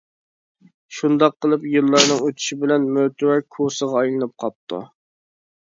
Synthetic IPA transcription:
ʃund̪ɑqʰːəlˠɨpjɨlˠːɑɾnɨŋøt̪ʰy̥ʃibɪlɛnmøt̪ʰwɛɾkʰosəʁɑːjlˠɨnɨp̚qʰɑp̚t̪ʰṵ

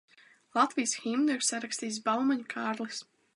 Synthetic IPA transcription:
lˠat̪vijsximd̪ɨɾsaɾakst̪iːsbalˠmaɲʲkʰaːɾlˠis

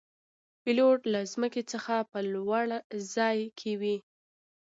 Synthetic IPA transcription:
pɪloʈlazməket͡səxapəlwaɽzɑjkʰewi

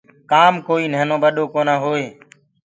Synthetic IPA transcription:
kaːmkoːiːnəɦnõːɓəɗoːkoːnaːɦoːeː

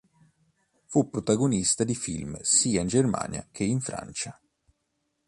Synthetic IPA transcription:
fupːɾot̪aɡonist̪ad̪ifḭlmsiːaind͡ʒerma̰ːnja̰kʰeiɱfɾa̰nt͡ʃa

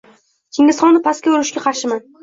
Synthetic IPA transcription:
kʲʰeŋʲɪsχɒnnɪpʰaskʲaʊɾɪʃkʲaqʰɑɾʃɪman

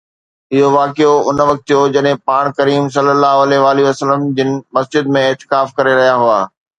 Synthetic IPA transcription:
ɪɦoʋaːkɪjoʊnʋɐk̚t̪jod͡ʑɐɗɦẽpaːɽ̃kɐɾiːmsɐlːəlːaːɦʊɐleʋaːliɐsələmd͡ʑɪnɪ̆mɐsd͡ʑɪd̪mẽɪːt̪ɪ̥kaːfkɐɾeɾɐɦijaɦuaː

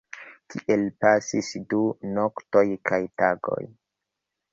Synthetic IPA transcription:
kʰiʔelpasisdunoktojkʰajtaɡo̞̰j

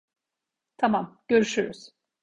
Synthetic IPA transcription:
t̪ʰamamɟ̥øɾyʃyɾyz̥

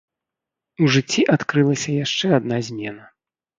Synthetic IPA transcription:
uʐɨt͡sʲːiʔat̪kɾɨlˠɐsʲɐjaʂt͡ʂɛad̪nazʲmʲɛnɐ

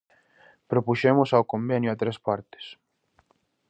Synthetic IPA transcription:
pɾopuʃemʊsawkombenjʊat̪ɾespaɾt̪ɪ̥s

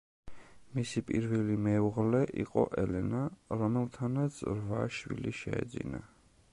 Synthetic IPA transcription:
misipʼiɾvɛlimɛuʁlɛʔiqʼɔ̰ʔɛlɛnaɾɔmɛlˠt̪ʰanat̪sʰɾvaʃwḭliʃɛɛ̰d̪zina̰

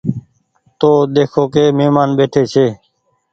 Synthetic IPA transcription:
t̪oːd̪eːkʰoːkeːmeːmaːnbeːʈʰeːt͡ʃʰeː

